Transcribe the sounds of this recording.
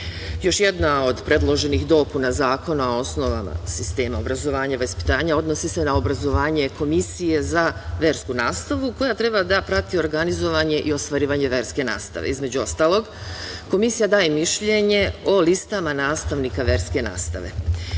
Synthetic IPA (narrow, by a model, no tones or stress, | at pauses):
jo̞ʃjed̪nao̞d̪pɾe̞d̪lˠo̞ʒe̞nixd̪o̞kunazaːko̞nuo̞sno̞ʋa̰ma̰sist̪e̞ːmao̞bɾazo̞ʋaːɲaʋaspi̥t̪aːɲao̞d̪nosise̞nao̞bɾazo̞ʋaːɲe̞ko̞misije̞zaʋe̞ːɾskunaːst̪aʋuko̞jat̪ɾe̞bad̪apɾat̪io̞ɾɡanizo̞ʋaɲe̞ʔio̞st̪ʋaɾiːʋaɲe̞ʋe̞ɾske̞na̰ːst̪a̰ʋḛizme̞d͡ʑuo̞st̪aːlˠo̞ɡko̞misijad̪aːjemiʃʎe̞ɲe̞o̞list̪amanaːst̪aʋnikaʋe̞ɾske̞na̰ːst̪a̰ʋe̞̰